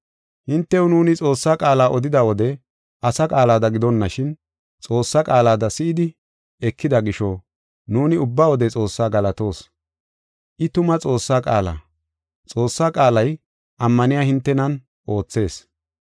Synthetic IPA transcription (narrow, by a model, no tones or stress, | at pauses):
hɪnt̪ːɛʊnuːnɪt͡sʼo̞ːsːaːkʼaːlaːʔɔd̪ɪd̪awɔd̪ɛ | ʔɐsɐkʼaːlaːd̪ɐɡɪd̪ɔnːɐʃɪn | t͡sʼo̞ːsːakʼaːlaːd̪ɐsɪʔɪd̪ɪ | ɛkːɪd̪ɐɡɪʃɔ | nuːnɪʊbːaːwɔd̪ɛt͡sʼo̞ːsːaːɡɐlɐt̪o̞ːs | ʔɪt̪ʊmɐt͡sʼo̞ːsːaːkʼaːla̰ː | t͡sʼo̞ːsːaːkʼaːlɐj | ʔɐmːɐnɪjaːhɪnt̪ːɛnɐn | ʔo̞ːt͡sːe̞ːs